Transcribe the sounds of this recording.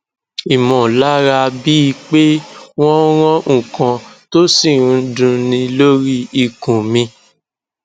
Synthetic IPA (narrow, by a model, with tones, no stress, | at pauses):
i˨mɔ̃˨la˦ɾa˧bi˦i˧k͡pe˦w̃ɔ̃˦ɾ̃ɔ̃˦ŋ̩̃˨kã˨to˦si˦˨ɾ̃ũ˧dũ˧nĩ˧lo˦ɾi˦i˧˨kũ˨mĩ˧